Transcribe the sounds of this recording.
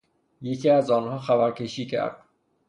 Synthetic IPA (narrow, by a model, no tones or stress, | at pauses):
jecʰiːæzɒːnhɒːxæbæɾcʰe̞ʃiːcʰæ̰ɾd̪̥̚